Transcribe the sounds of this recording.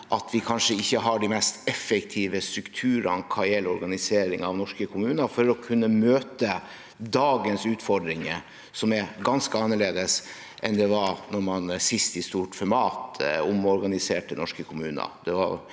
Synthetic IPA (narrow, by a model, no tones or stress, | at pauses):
ʔɑt̪ʰʋɪkʰɑnʂəɪçːəɦɑɖɪmɛst̪ɛfːəkt̪ʰiːʋəst̪ɾʉkt̪ʰʉːɾɑ̰nkʰɑɪɛlɔɾɡɑnɪseːɾɪŋɑʋnɔʂkəkʰʊmʉːnəfɔɾɔkʰʉnːəmøːt̪ə | d̪ɑːɡənsʉːt̪fɔɖɾɪŋə | sɔmɛɾɡɑnskəɑnːəɭeːd̪əs | ʔɛnd̪ɛʋɑɾnɔɾmɑnsɪst̪ɪst̪uːʈfɔɾmɑːt̪ʊmɔɾɡɑnɪseːʈənɔʂkəkʰʊmʉːnə̰d̪ɛʋɑ̰ɾ